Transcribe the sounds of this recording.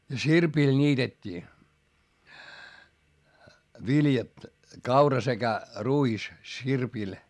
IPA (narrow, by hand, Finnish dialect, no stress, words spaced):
jɑ sirpil nʲiːtetʲːiː ʋiljɑt kɑurɑ sekæ ruis sirpil